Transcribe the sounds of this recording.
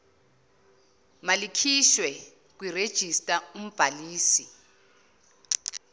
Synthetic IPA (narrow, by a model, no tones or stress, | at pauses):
malikʰiʃwɛ | k̬wired̥ʒ̥ʱistʼaum̩b̥ʱaliːsi